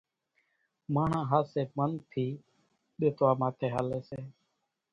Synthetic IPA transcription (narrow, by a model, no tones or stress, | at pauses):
mãːɳ̤ãːɦaːseːmənt̪ʰiː | ɓeːt̪ʰʋaːmãːt̪ʰeːɦaːleːseː